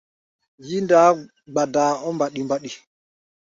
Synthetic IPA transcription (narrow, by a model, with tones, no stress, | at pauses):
ji˦ndaː˨˦ | ɡ͡ba˨daː˨ɔ˦mba˨ɗi˨mba˨ɗi˨